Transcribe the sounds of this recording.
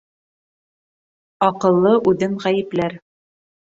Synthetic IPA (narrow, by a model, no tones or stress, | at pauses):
ɒqɤ̆lˠːɤʔʉðɘŋʁæjɘ̆plæɾ